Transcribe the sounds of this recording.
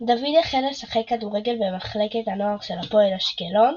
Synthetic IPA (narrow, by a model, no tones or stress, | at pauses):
d̪avid̪aχelesaχekːaduʁeɡe̞lbemaχleketano̞aʁʃelapoelaʃkelo̞n